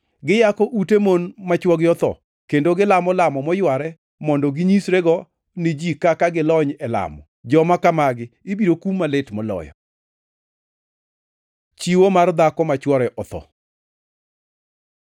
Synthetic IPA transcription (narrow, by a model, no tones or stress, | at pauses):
ɡɪjakɔʔutemonmat͡ʃwɔɡɪɔt̪ɔ̰ | kendoɡɪlamɔlamɔmɔjwaɾɛ | mɔndɔɡɪɲisɾeɡɔ | nɪd͡ʒikakaɡɪlɔɲɛla̰mɔ | d͡ʒɔmakamaɡɪɪbiɾokumːaletmɔlɔ̰jɔ̰ | t͡ʃiwomard̪akɔmat͡ʃwɔɾɛʔɔt̪ɔ̰